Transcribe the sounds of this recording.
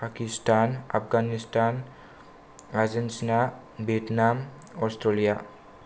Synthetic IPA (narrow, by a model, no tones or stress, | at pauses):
pakistʰana̰p̚ʰɡanistʰan | azensna | betnam | ɔstɾelija